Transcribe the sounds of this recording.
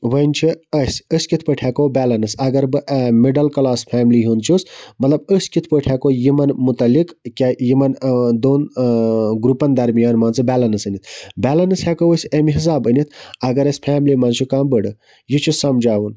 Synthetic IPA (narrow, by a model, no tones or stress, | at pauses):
ʋənt͡ʃʰiɐsʲəsʲkit̪ʰpəʈʰaːkowbɛːlɐnɨsɐɡɐɾbɨmeɖɐlkɐlaːspʰaːmliɦunt͡ʃʰusmɐt̪lɐbəsʲkit̪ʰpəʈʰaːkojimɐnmut̪ɐlikkʲajimɐnd̪oːn | ɡɾupɐnd̪ɐɾmijaːnmaːnsɨbʲæːlɐnɐsənit̪ʰbʲæːlɐnɨshɛkowəsʲemiɦis̬aːbənit̪ʰɐɡɐɾɐsʲpʰæːmlimant͡ʃʰukaːmbəɽɨ | jit͡ʃʰisɐmd͡ʒaːwun